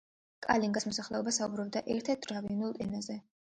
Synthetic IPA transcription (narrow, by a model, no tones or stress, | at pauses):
kʼa̰liŋɡasmɔsaχlɛɔbasaubɾɔb̚d̪aʔɛɾt̪ʰɛɾt̪̚ʰɾaviunulˠk̪ʼɛnazɛ